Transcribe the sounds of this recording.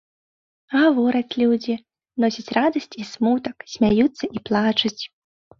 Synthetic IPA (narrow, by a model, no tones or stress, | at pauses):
ɣavɔɾɐt͡sʲlʲud͡zʲi | nɔsʲɐt͡sʲrad̪ɐsʲt͡sʲismut̪ɐksʲmʲajut̪sːɐʔiplˠat͡ʂɐt͡sʲ